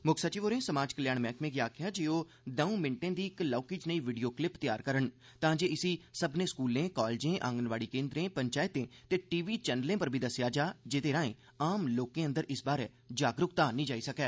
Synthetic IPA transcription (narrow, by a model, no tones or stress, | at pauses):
mʊksət͡ʃiːʋoːɾẽːsəmaːd͡ʒkəljaːɳmɛ̃ːkmẽːɡiaːkʰɪjaːd͡ʒeːoː | d̪ɛ̃ːũːmɪɳʈẽːd̪iːɪklɔːkiːd͡ʒnəiːʋiɖijoːklɪpt̪ɪjaːɾkəɾəɳ | t̪ãːd͡ʒeːɪsiːsəbnẽːskuːlẽːkɔːlːd͡ʒẽːʔã̰ːŋɡənʋaːɽiːkẽːnd̪ɾẽːpəɲt͡ʃaːɪt̪ẽːt̪eːʈiːʋiːt͡ʃɛːnəlẽːpəɾbʱiːd̪əsjaːd͡ʒaːd͡ʒɪt̪eːɾãːḛ̃ː | aːmloːkẽːə̃nd̪əɾʔɪsbaːɾɛː | d͡ʒaːɡɾʊkt̪ãːnĩːd͡ʒaːiːsəkɛː